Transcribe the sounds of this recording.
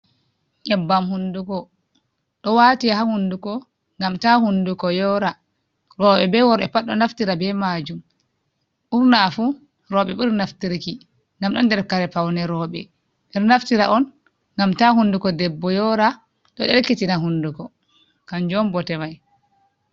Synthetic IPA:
ʔɛbːamhundukɔ | ɗɔwatiahahundukɔ | ŋɡamtahundukɔjɔːɾa | ɾɔːɓɛbɛwɔɾɛpaɗɔnaftiɾabɛmaːd͡ʒum | ʔuɾnafu | ɾɔɓɛɓiɾnaftiɾki | ŋɡamɗɔndɛɾkaɾɛpawnɛɾɔɓɛ̰ | ɓiɾnaftiɾaʔɔn | ŋɡamtahundukɔdɛbːɔjɔɾa | ɗɔɗɛlkːitinaɦundukɔ | kand͡ʒɔmbɔtɛmaj

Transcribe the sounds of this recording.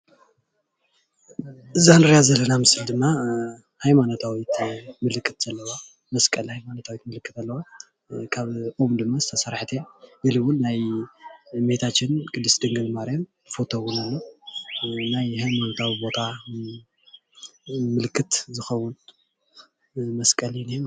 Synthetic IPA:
ʔɨzanɨɾjazɐlːɐnamɨsɨld̪ɨmːa | hajmanot̪ʰawit̪mɨlɨkʰʼːɨt̪z̥ɐlːɐwa | mɐskʼɐlhajmanot̪ʰawit̪mɨlɨkʰːɨt̪alːɐwa | kʰaβʔumd̪ɨmːazɨt̪ʰɐsɐɾħt̪ʰebɨlɨβʊlnaj | met̪ʰat͡ʃːɪnkʼɨd̪ɨsd̪ɨŋɡɨnmaɾjam | fo̞t̪ʰowunalːo | najhajmanot̪ʰawibo̞t̪ʰa | mɨlkʰːɨt̪zɨxɐwːʊn | mɐskʼɐlinem

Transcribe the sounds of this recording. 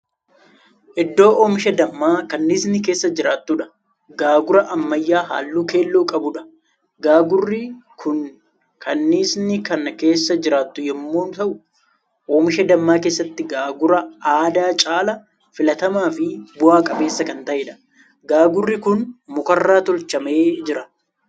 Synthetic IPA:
ʔɪd̪ːo̞ːʔoːmɪʃɐd̪ɐmːaːkɐnːiːsnɪk̬e̞ːsːɐd͡ʒɪɾaːt̪ːuːᶑɐ̥ | ɡaːɡʊɾɐʔɐmːɐjːaːɦa̰ːlːuːke̞ːlːoːkʼɐbʊᶑɐ̥ | ɡaːɡʊrːɪkʰʊn | kʰɐnːiːsnɪkɐnke̞ːsːɐd͡ʒɪɾaːt̪ːʊjɛmːo̞ːnt̪ɐʔʊ | ʔo̞ːmɪʃɐd̪ɐmːaːke̞ːsːɐt̪ːɪɡaːɡʊɾɐaːd̪aːt͡ʃʼaːlɐ | fɪlɐt̪ɐmaːfɪbʊaːkʼɐbe̞ːsːɐkɐnt̪ɐʔeːᶑɐ̥ | ɡaːɡʊrːɪkʊnmʊkɐrːaːt̪ɔlt͡ʃːɐme̞ːd͡ʒɪɾɐ

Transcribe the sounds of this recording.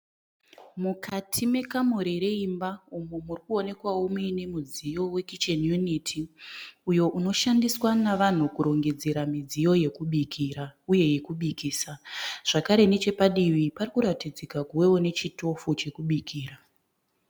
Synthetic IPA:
mukʰatʰime̞kamoɾeɾe̞imbaumumurikuone̞kwawomuine̞mud͡zijo̞we̞kit͡ʃenjunitʰiujo̞ʔuno̞ʃandiswanaʋan̤ukuɾo̞ŋɡe̞d͡zeɾamid͡zijo̞je̞kuɓikʰiɾauje̞je̞kuɓikiːsaʐ̥akaɾe̞ne̞t͡ʃe̞paɗiʋiparikuɾatid͡zikakuwe̞wone̞t͡ʃito̞fut͡ʃe̞kuɓikʰiːɾa

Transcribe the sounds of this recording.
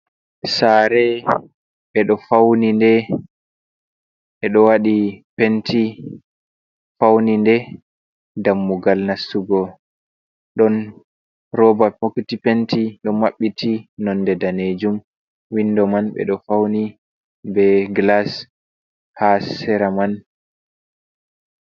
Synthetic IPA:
saɾɛ | ɓɛɗɔfawnindɛ | ʔɛɗɔwaɗipentʰi | fawnindɛ | damːuɡalnasuɡɔ | ɗɔn | rɔbapoktipentiɗɔmaɓːitinɔndɛdaned͡ʒum | windɔmanɓɛ̰ɗɔfawni | bɛɡlas | hasɛɾaman

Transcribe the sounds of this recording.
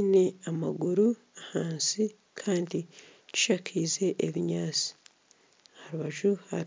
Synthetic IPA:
ne̞amaɡuɾu | ahaːnsi | kʰaːndici̥ʃakʰiːze̞ʔeβiɲaːt͡si̥ | haɾuβaʒuha̰

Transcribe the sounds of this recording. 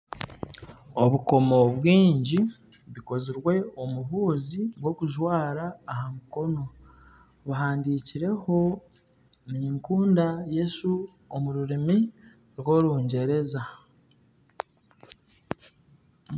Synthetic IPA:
oβuko̞mo̞βwiːɲɟi | βiko̞ziɾwe̞omuβuːziɡwo̞kuʒwaːɾaːɦamuko̞no̞ | βaɦaːndiciɾe̞ho̞ | niːŋkuːndaje̞su | omuɾuɾemi | ɾwo̞ɾuːɲɟe̞ɾe̞za

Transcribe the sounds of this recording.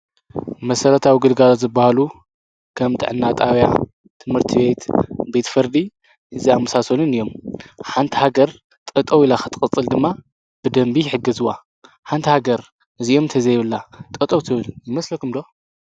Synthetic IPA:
mɐsɐɾɐt̪ʰawiɡɨlɡalot̪zɨbahalu | kʰɐmt̪ʰɨ̰ʕɨ̰nːat̪ʼawja̰ | t̪ʰɨmhɨɾt̪ʰiβe̞t̪be̞t̪fɨɾd̪i | ʔɨziamːɐsasolɨnɨjːo̞mħant̪ʰihaɡɐɾ | t̪ʼɐt̪ʼɐwilaxɨ̥t̪ʰɨkʼɨt͡sʼːɨld̪ɨmːa | b̥ɨd̪ɐmbiħɨɡɐzuwa | ħant̪ʰihaɡɐɾ | ʔɨziʔo̞mɨnt̪ʰɐzɐjɪβɨlːat̪ʼɐt̪ʼɐwt̪ʰɨβɨljɪmɐslɐkʰumd̪o̞

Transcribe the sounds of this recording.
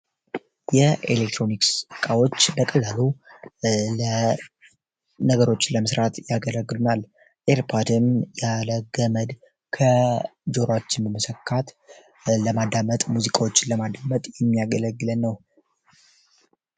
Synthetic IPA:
jɛḛlek̚t̪ʰɾo̞niksɨkʼawo̞t͡ʃːbəkʼəlːalu | lə | nəɡəɾo̞t͡ʃːləməsɾat̪ʰjaɡələɡːɨlunal | ʔeɾpʰad̪ɨmjaləɡəməd̪ | kʰəd͡ʒo̞ɾat͡ʃːɪnbəməsəkʰːat̪ | ləmad̪amət̪ʼmuzikʼawo̞t͡ʃːɪnləmad̪amət̪ʼjɛmːijaɡələɡːɨlənːəw

